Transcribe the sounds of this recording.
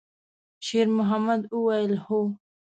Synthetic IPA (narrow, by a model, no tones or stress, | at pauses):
ʃeɾmʊɦamad̪uwajəlho